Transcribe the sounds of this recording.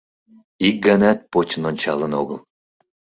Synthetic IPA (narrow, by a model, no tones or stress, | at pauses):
ik̚ɡənæt̪̚pot͡ɕənonʲt͡ɕɑlə̆noɣəl